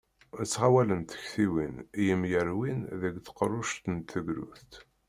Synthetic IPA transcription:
ət͡sːʁawælənt̪ə̥çθiwinjəmjəɾwinðəɡθə̥qrˤːʊʃt̪ənt̪ːəɡɾṵθt̪

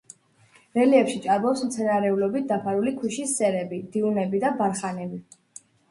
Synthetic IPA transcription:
ɾɛliɛpʃit͡ʃʼaɾbɔpsmt̪sʰɛnaɾɛulɔbit̪̚ʰd̪apʰaɾulikʰwiʃisːɛɾɛbid̪̥iunɛbid̪abaɾχanɛbi

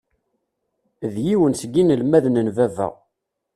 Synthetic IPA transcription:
ðjiwənsɡinəlmæðnənvævæ̰

